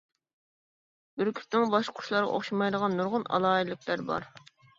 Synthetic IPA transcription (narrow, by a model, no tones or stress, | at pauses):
bɪɾkʲʰy̥nɪŋbɑʃqʰʊ̥ʃlˠɑɾʁɑ̰ʔo̰χʃimɑjd̪əʁɑnːuɾʁʊnʔɑ̰lˠɑːilˠɪkʲʰlæɾbɑ̰ɾ